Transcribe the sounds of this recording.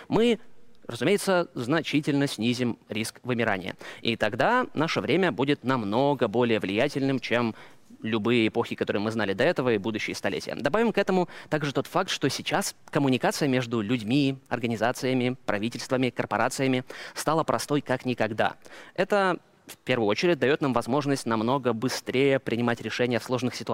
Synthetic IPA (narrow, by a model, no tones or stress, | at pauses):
mɨrəzʊmʲejɪt̪səznɐt͡ɕitʲɪlʲnəsʲnʲizʲɪmɾʲiskvɨmʲɪɾa̰nʲɪjə̰it̪ɐɡd̪anaʂəvɾʲʔemʲəbudʲɪt̪nɐmno̞ɡəbo̞lʲɪjəvlʲɪjætʲɪlʲnɨmt͡ɕem | lʲʊbɨjəɪpo̞xʲɪkɐt̪o̞ɾɨjmɨznalʲɪd̪ɐɛt̪əvəibud̪ʊɕːɪjəst̪ɐlʲḛtʲɪjə̰d̪ɐbavʲɪmkɛt̪əmʊt̪aɡʐɨt̪o̞t̪fakt̪ʂt̪osʲɪt͡ɕaskəmʊnʲɪkat̪sɨjəmʲe̞ʐd̪ʊlʲʉdʲmʲiɐ̰rɡənʲɪzat̪sɨjəmʲɪpɾɐvʲitʲɪlʲst̪vəmʲɪkərpɐɾat̪sɨjəmʲɪst̪alˠəpɾʔɐst̪o̞jkaknʲɪkɐɡd̪a̰ɛt̪ə | fʲpʲe̞rvɨjʊo̞t͡ɕɪɾʲɪt̚ʲd̪ɐjo̞t̪namvɐzmo̞ʐnəsʲtʲnɐmno̞ɡəbɨst̪ɾʲejəpɾʲɪnʲɪmatʲɾʲɪʂɛnʲɪjəfslˠo̞ʐnɨxsʲɪ̥t̪ʊ